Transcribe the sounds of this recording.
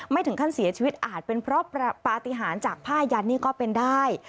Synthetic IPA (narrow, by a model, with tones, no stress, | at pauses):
ma˥˩jt̪ʰɯ˩˦ŋkʰa˥˩nsi˨˩˦t͡ɕʰi˧i˦˥t̪̚ʔaː˨˩t̪̚pe˧npʰɾɔ˦˥˧paː˧t̪i˧ɦaː˩˦nt͡ɕaː˨˩k̚pʰaː˥˩ja˧nːiː˥˩kɔː˥˩pe˧ndaː˥˩j